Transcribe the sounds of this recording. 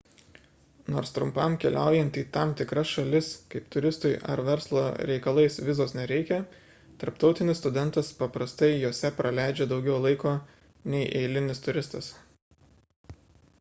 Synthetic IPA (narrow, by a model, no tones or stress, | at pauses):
noːɾst̪ɾʊmpɐmkʲɛlʲʔæˑʊjɛnʲt̪ʲiːt̪ɐmt̪ʲɪkɾɐsʃɐlʲɪskɐɪpt̪ʊɾʲɪst̪ʊɪɐ̰ɾʋʲɛɾslˠo̰ːɾʲɛɪkɐlˠɐɪsʋʲɪzoːsnʲɛɾʲɛɪkʲɛ | t̪ɐɾpt̪ɒʊt̪ʲɪnʲɪsːt̪ʊd̪ʲɛnˑt̪ɐspɐpɾɐst̪ɐɪjoːsʲɛpɾʔɐlʲæˑɪd͡ʒʲeːd̪ɒʊɡʲɛʊlˠɐɪkoː | nʲɛɪʔɛɪlʲɪnʲɪst̪ʊɾʲɪst̪ɐs